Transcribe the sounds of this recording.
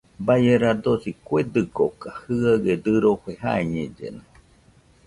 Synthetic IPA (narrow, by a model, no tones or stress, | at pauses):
bajeɾad̪osikʷed̪ɨɡokahɨaɣed̪ɨɾoɸeɦa̰eɲed͡ʒḛne